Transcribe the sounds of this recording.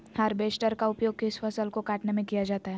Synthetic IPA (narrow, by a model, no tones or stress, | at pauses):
həɾbeːsʈəɾkaʊpjoːɡ̚keɪsfɐsəlkokaːʈnemẽkijad͡ʒaːt̪aɦɛː